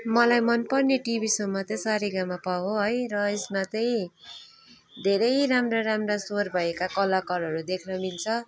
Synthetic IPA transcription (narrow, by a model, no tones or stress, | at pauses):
mʌlajmʌnpʌrneʈibisʌmːʌt̪ʌj̃saɾiɡamapawoɦʌjrʌesmat̪ʌj̃ | d̪ʱeɾʌjɾamraɾamrasorbʱʌekakʌlʌkʌɾʌɾud̪ekʰnʌmilt͡sʰʌ